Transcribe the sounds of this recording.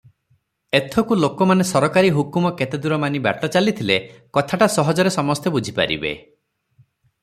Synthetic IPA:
et̪ʰɔkulokɔmanesɔɾɔkaɾiɦukumɔket̪ed̪uɾɔmaniba̰ʈɔt͡ʃalit̪ʰilekɔt̪ʰaʈasɔɦɔd͡ʒɔɾesɔmɔst̪ʰebud͡ʒʱipa̰ɾḭbḛ

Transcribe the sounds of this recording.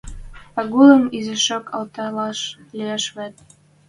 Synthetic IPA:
pɑɣulə̆mizɘ̆ʃokʰɑlt̪ɑlɑʃlieʃβæt̪̚

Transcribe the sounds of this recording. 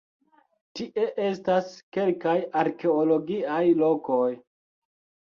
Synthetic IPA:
tiʔe̞ʔe̞staske̞lkajaɾke̞olo̞ɡiajlo̞ko̞j

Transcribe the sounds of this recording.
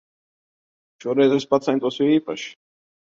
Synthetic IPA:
ʃuɔɾɛjzɛspat̪sɛjnt̪uɔsjʲiiːpa̰ʃi̥

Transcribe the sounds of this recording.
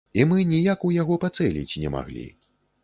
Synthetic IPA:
imɨnʲijakujaɣɔpat̪sɛlʲḭt͡sʲnʲɛma̰ɣlʲḭ

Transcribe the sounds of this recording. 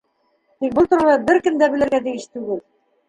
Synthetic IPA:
t̪ik̚bɤlˠt̪ŭɾɑlˠɑbɘɾkɘ̆md̪æbɘ̆lɘ̆ɾɡæt̪ijɘʃt̪ʉɡɘl

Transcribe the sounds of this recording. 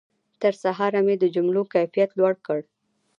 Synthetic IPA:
t̪əɾsaɦɑɾamed̪əd͡ʒʊmlokajfijat̪lwaɽkəɽ

